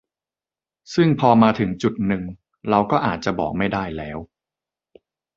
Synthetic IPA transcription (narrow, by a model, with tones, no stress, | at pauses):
sɯ˥˩ŋpʰɔː˧maː˧t̪ʰɯ˩˦ŋt͡ɕu˨˩t̪̚nɯ˨˩ŋ | ɾa˧wkɔː˥˩ʔaː˨˩t̪̚t͡ɕa˨˩bɔ̰ː˨˩k̚ma˥˩jdaː˥˩jlɛː˦˥w